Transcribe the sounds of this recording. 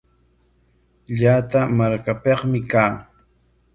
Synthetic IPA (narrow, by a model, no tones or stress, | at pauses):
ʎat̪amaɾkapeqmɪkaː